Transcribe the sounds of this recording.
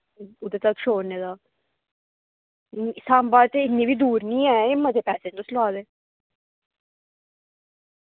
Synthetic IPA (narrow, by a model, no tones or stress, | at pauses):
ʊd̪eːt̪əkʃoːneːd̪aː | saːmbaːd̪̚eɪnĩːbiːd̪uːɾnĩːɛːɪmːə̃d̪eːpɛːseːt̪oːslaːd̪eː